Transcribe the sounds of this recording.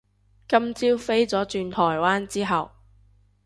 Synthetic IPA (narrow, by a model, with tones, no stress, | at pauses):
kɐ˥mt͡siː˥wfe˥jt͡sɔː˨˥t͡ʃyː˧nt̪ʰɔː˨˩jwaː˥nt͡siː˥ɦɐ˨w